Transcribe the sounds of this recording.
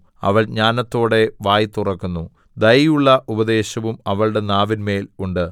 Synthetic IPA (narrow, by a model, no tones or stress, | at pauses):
ɐ̰ʋɐɭɲaːnɐt̪ːo̞ːɽe̞ʋaːjit̪ːurɐkːunːu | d̪ɐjjuɭːɐʔubɐd̪e̞ːɕɐʋumɐʋɐɭɨɽe̞naːʋinme̞ːluɳɖɨ